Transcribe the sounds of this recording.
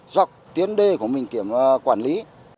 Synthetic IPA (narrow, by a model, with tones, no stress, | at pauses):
zɔ˨˩wk͡p̚t̪i˨˦ənɗe˧˩ku˧˩əmï˨˩ŋ̟ki˧˩əm˨kwaː˧˩nli˨˦